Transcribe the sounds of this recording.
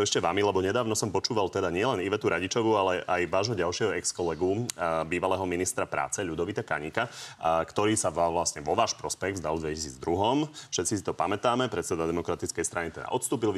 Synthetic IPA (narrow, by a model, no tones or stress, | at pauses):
ɔɛʃcɛʋa̰milɛbɔɲɛd̪aːʊnɔsɔmpɔt͡ʃuːʋalt̪ɛd̪aɲɪɛlɛniʋɛt̪uɾaɟit͡ʃɔʋualɛʔajʋaːʒɦɔɟalʃɪɛɦɔɛkskɔlɛɡubiːʋalɛːɦɔminist̪ɾapɾa̰ːt͡sɛʎud̪ɔʋit̪aka̰ɲikakt̪ɔɾiːsaʋaʋlasɲɛʋɔʋaːʃpɾɔspɛɣvzd̪alˠd̪ʋɛcisiːd͡zd̪ɾuɦɔmfʃɛt̪t͡sisit̪ɔpamɛt̪aːmɛpɾɛt̪t͡sɛd̪ad̪ɛmɔkɾat̪it͡skɛjst̪ɾanit̪ɛd̪a̰ʔɔt̪st̪uːpil